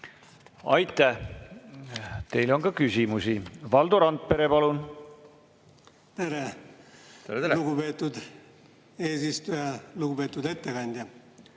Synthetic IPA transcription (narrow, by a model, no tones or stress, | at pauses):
ɑjt̪ːˑæh | t̪e̞jlo̞nkɑkysʲimusivɑld̪oɾɑnt̪̚pe̞ɾe̞pɑlun | t̪e̞ɾe | t̪eɾet̪eluɡupe̞ːt̪ːˑud̪ | e̞ːsist̪ujɑluɡube̞ːt̪ːˑud̪e̞t̪ːekɑnʲd̪̥ʲjɑ